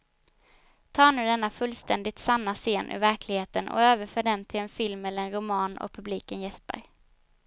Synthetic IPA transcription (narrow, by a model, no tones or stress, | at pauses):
t̪ʰɑːɳʉ̟ːd̪ɛnːafɵlːst̪ʰɛnd̪ɪt̪sanːaseːnʔɵ̰ɾvæɾkʰlɪɡheːt̪ənɔ̰øːvəɾfœːɖɛnt̪ʰɪlɛnfɪlmɛlːəɾɛnɾʊmɑːnɔ̰k̚pʰɵbliːkənjɛspæ̰ɾ